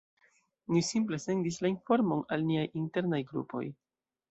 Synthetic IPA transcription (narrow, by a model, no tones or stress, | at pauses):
nisimple̞se̞ndislainfo̞ɾmo̞nalniajinte̞ɾnajɡɾṵpʰo̞̰j